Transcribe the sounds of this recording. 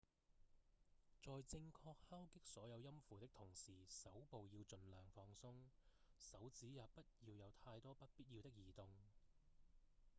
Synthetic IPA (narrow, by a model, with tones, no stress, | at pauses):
t͡sɔː˨jt͡sɪ˧ŋkʰɔː˧k̚haː˥wkɪ˥k̚sɔː˨˥jɐ˨˧wjɐ˥mfuː˨˩t̪ɪ˥k̚t̪ʰʊ˨˩ŋsiː˨˩sɐ˨˥wpo˨wjiː˧wt͡sɵ˨nlœː˨˩ŋfɔː˧ŋsʊ˥ŋsɐ˨˥wt͡siː˨˥jaː˨pɐ˥t̚jiː˧wjɐ˨˧wt̪ʰaː˧jt̪ɔː˥pɐ˥t̚piː˥t̚ji˧wt̪ɪ˥k̚jiː˨˩t̪ʊ˨ŋ